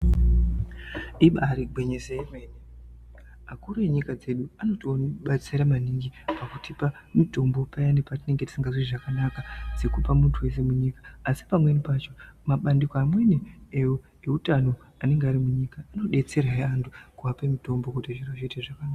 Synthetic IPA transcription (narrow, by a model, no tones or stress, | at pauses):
iɓaɾiɡʱwe̞ɲesejemweːni | makuɾojeɲikad͡ze̞ɗuano̞toniɓat͡siɾamaniŋɡipakutipa | mito̞mbo̞pajanepatine̞ŋɡeti̥siŋɡaziʐakanakad͡ze̞kupamuntʰuwe̞s̬e̞muɲiːkḁːsi̥pamwe̞nipat͡ʃo̞maɓandikoamwe̞neejo | eutano̞ | ane̞ŋɡeaɾimuɲikaano̞ɗe̞t͡se̞raeantʰukuapemito̞mbo̞kutiʐiroʐiːteʐakanaːka